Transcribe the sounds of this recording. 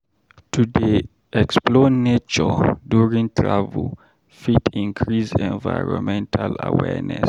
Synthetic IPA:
tʰudi | ʔɛksplɔnet͡ʃɔduɹĩŋtʰɹa̰vəl | fitĩnkʰɹisɛ̃nvaɪɹɔ̃nmɛ̃ntʰalawɛ̰nɛ̰s

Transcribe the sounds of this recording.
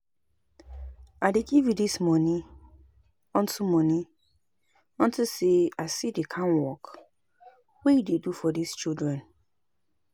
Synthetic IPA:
adeɡivjudismɔnĩ | ɔ̃ntumɔnĩ | ɔ̃ntuseasidekʰãnwɔk | wejidedufɔdist͡ʃildɹɛ̃n

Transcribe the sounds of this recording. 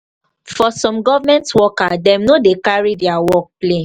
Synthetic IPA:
fɔsɔ̃mɡɔvamɛ̃ntwɔkadɛ̃mnodekaɹidɛawɔk̚ple

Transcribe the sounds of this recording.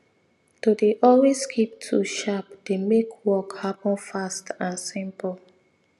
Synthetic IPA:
todeʔɔlweskʰip̚tʰuʃapd̥emekʰwɔkhapɔ̃nfastãnsĩmpəl

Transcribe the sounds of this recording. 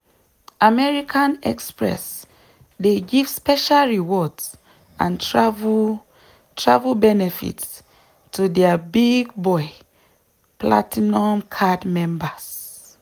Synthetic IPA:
amɛɹikʰãnɛ̰kspɹɛ̰s | deɡiv̥spɛʃalɹiwɔds | ʔã̰ntv | tʰɹavulbɛnɛfḭt | tudɛbiɡ̚bɔɪ | pla̰tʰinɔ̃mkʰadmɛ̃mbas

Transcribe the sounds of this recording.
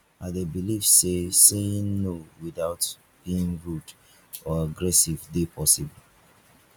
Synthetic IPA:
aɪdebilifseseĩŋnowiðaʊt | b̥iĩŋɹut | ɔaɡɹɛsivdepʰɔsibl̩

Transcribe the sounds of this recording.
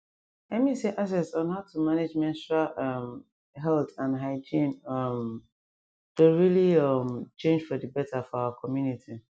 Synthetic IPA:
lɛtmiseʔas̬ɛtsɔ̃nhaʊtʰumaned͡ʒmɛ̃nsɹalɔm | ɦɛltãndɦaɪd͡ʒĩnʌm | d̥oɹiliʌmt͡ʃẽnd͡ʒfɔdəbɛtafɔaʊwakʰɔmjunitʰi

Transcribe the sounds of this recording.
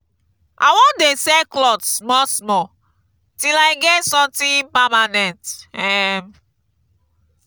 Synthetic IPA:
ʔa̰wɔ̃ndesɛklɔtsmɔsmɔ | tilajɡɛtsɔ̃tĩpamanɛ̃ntɛm

